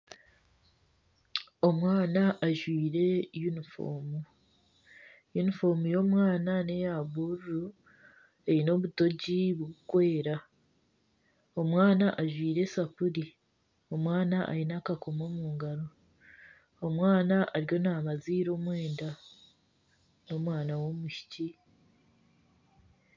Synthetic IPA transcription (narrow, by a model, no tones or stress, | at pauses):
o̞mwaːnaʔaʒwiːɾe̞junifo̞̰ːmu | junifo̞ːɾmujo̞ːmwaːnane̞jaβuɾuɾu | e̞ɾino̞βuto̞ɟiβuukwe̞ːɾa | o̞mwaːnaʔaʒwiːɾe̞sapuɾi | o̞mwaːnaʔa̰ɾinakako̞mo̞ːmuːŋɡaɾo̞ | mwaːnaʔaɾjo̞naːmaziːɾo̞ːmwe̞ːnda | no̞mwaːnawo̞muʃi̥ci